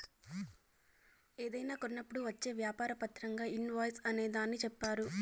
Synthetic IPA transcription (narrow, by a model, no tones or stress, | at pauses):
eːd̪ɐjnaːkonːɐpːuɽuʋɐt͡ʃːe̞ːʋjaːpaːɾɐpɐt̪ɾɐŋɡaːinʋɐːjsɐne̞ːd̪aːnːit͡ʃɛpːaːɾu